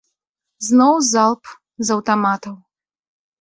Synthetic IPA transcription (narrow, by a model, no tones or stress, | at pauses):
znɔwzalˠp | zɐwt̪amat̪ɐw